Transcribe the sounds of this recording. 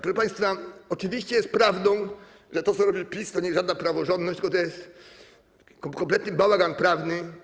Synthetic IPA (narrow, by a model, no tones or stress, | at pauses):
kɾɔʐɛpaj̃st̪faɔt͡ʂɨvʲiɕt͡ɕɛjɛst̪̚pɾavd̪ɔ̃w̃ | ʐɛt̪ɔt̪sɔɾɔbʲiwpʲist̪ɔɲɛʐad̪napɾavɔʐɔnd̪nɔɕt͡ɕt̪lɨkɔt̪ɔjɛst̪ | kɔkɔmplɛt̪nɘbawaɡanpɾavnɘ